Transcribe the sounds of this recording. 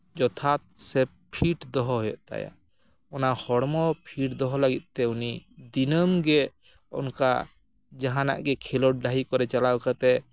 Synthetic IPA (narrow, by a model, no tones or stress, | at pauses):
d͡ʒɔt̪ʰat̪̚sɛ | pʰiʈd̪ɔɦɔɦɔjɔ̰ʔt̪a̰ja̰ | ɔnahɔɽmɔpʰiʈd̪ɔɦɔlaɡit̪̚t̪ɛunid̪inəmɡɛ | ɔ̰nka̰ | d͡ʒaɦana̰ʔɡɛkʰilɔʈ̚ɖaɦikɔɾɛt͡ʃalawkat̪ɛ